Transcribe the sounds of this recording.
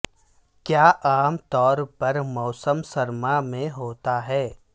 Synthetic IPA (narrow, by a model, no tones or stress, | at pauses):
kjaːʔaːmt̪ɔːɾpɐɾmɔːsəmsɐɾmamẽɦoːt̪aɦɛː